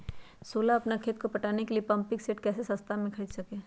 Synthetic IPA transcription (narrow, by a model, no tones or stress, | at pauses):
soːlaɐpnakʰeːt̪kopɐʈaːnekeliepɐ̃mpɪkseːʈkɛːsesɐ̃st̪ʰamẽkʰɐɾiːd̪sɐkeː